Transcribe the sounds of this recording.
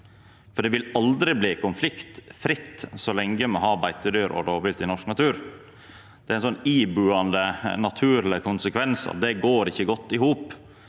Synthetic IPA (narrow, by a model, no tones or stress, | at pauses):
fɔɖɛʋɪlɑld̪ɾɪbliːkʊnflɪkt̪fɾɪt̪ːsɔlɛŋɡəmɛɔhɑːbæɪt̪əd̪yːɾʔɔ̰ɾoːʋɪlt̪ɪnɔʂknɑt̪ʉːɾ | d̪̥ɛæɪnsɔnːiːbʉːɑnd̪ənɑt̪ʰʉːɾlɪkʰʊnsəkʰʋɛnsɑ̰ʋd̪ɛɡoːɾɪçːəɡɔt̪ːɪhuːp